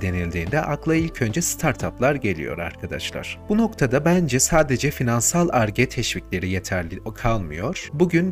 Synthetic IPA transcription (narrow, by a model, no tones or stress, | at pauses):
d̪e̞nilʲd̪iːnd̪ɛʔaklˠailʲcʰø̞nd͡ʒɛst̪ʰaɾt̪ʰaplˠaɾɟe̞lʲḭjo̞̰ɾa̰ɾkʰad̪a̰ʃlˠa̰ɾ̥b̥uno̞kt̪ʰad̪abænd͡ʒɛsaːd̪e̞d͡ʒɛfinansalˠaɾɟɛt̪ʰɛʃviclʲe̞ɾijet̪ʰækʰalˠmɯjo̞ɾ̥buɟyn